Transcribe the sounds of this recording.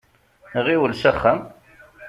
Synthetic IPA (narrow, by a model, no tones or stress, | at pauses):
ʁiwəlsæχːæm